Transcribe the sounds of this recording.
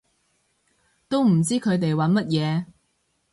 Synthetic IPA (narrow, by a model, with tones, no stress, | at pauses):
t̪o˥wm̩˨˩t͡siː˥kʰɵ˨˧ɥt̪̬e˨jwɐ˨˥nmɐ˥t̚jɛː˨˧